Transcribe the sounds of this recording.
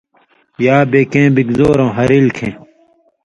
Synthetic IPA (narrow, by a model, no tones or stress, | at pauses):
jaːbeːkẽːbikzoːɾõːɦɐɾilkʰẽː